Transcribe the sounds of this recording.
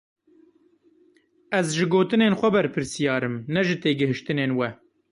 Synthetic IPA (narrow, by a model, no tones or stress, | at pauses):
ɛzʒɨɡoːt̪ɨneːnxʷɛbɛɾpʰɨɾsijɑːɾɨmnɛʒɨt̪eːɡɨɦɨʃt̪ɨneːnwɛ